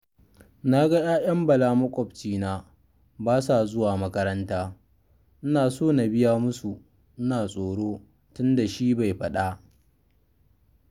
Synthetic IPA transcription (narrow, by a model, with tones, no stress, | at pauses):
na˦ɡa˦jaː˦jɐ˦mbɐ˨laː˦mɐ˦kʷʼɔ˨ɸt͡ʃiː˦naː˦ | baː˦sa˨zʊ˦waː˨mɐ˦kɐ˦ɾɐ˦ntaː˦ | ʔɪ˦naː˨soː˦˨na˨bɪ˦jaː˦mʊ˦su˨ | ʔɪ˦naː˨sʼoː˨ɽoː˦ | tʊ˦nda˨ʃiː˦ba˨jɸɐ˦˨ɗa˦